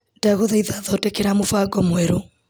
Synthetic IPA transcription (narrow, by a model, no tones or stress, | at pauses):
d̥aɣoðaiðaðɔtɛkeɾamofaɡɔmwɛɾo